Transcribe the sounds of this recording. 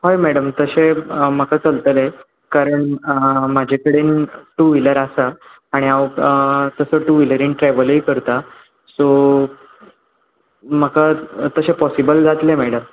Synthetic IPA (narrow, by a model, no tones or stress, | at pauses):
ɦojmɛɽəmt̪əɕeəməkat͡səlt̪əle | kaɾəɳmad͡ʑʱekəɽenʈuʋiləɾasaː | ɽ̃iawt̪əsəʈuʋiləɾinʈɾɛʋələiːkəɾt̪a | so | məkat̪əɕepɔsibəld͡zʱat̪lemɛɽəm